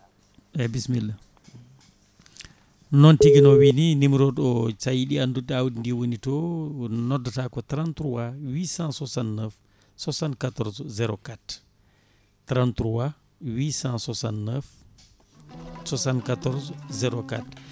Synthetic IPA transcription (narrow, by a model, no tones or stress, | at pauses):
ɛbismilː | nɔntiɡinɔwininimɾɔɗɔt͡ʃajiɗianduɗːiawdindiwonitɔnɔdːatakɔtɾantɾuwawisãnsɔsannɛf | sɔsankatɔɾzzɛɾɔkat | tɾantɾuwa | wisãnsɔsannɛf | sɔsankatɔɾzzɛɾoka̰t